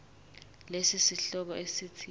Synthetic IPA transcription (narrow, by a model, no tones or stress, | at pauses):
lesisiɬɔk̬ɔʔesit͡sʰi